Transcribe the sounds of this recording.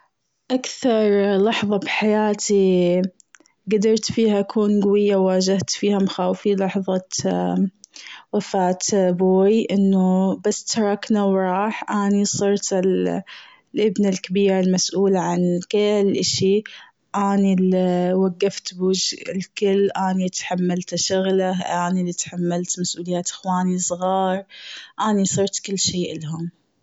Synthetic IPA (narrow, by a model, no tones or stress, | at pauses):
ʔakθɑɾˤlɑħðˤɑbħajaːt̪ʰi | ɡad̪ɑɾˤt̪fiːhaʔakʰuːnɡwɪjːawːaːd͡ʒaht̪fiːhamaxaːwfilɑħðˤɑ | wafaːt̪boːjʔɪnːʊbasːt̪ɑɾˤɑknawɾˤɑːħʔaːnisˤɨɾt̪ɪl | lʔɪbnalkabiːɾalmasʔuːlaʕankɪlʔɪʃi | ʔaːnilwaɡːaft̪buːd͡ʒɪlkɪlːʔaːnit̪ḁħamːalt̪aʃʊɣlaʔaːnilit̪ħamːalt̪masʔuːlɪjaːt̪ʔɪ̥xwaːnisˤɣɑːɾˤʔaːnisˤɨɾˤt̪kɪlːʃeːʔɪlɦʊm